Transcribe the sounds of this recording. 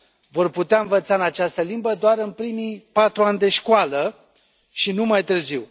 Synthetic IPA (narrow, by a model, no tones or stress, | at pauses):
vo̞rput̪eaɨnvət̪saɨnat͡ʃast̪əlimbəd̪oaɾɨnpɾimijpat̪ɾuanʲd̪e̞ʃkʊalə | ʃinumajt̪ɨrziw